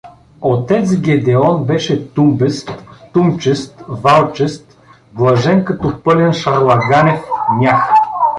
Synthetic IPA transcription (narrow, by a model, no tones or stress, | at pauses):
ot̪ɛt̪sɡʲɛd̪ɛɔnbɛʃɛt̪umbɛst̪ːumt͡ʃɛst̪valˠt͡ʃɛst̪ | blˠɐʒɛnkɐt̪ɔpɤlʲɛnʃɐɾlˠɐɡanɛfmʲjax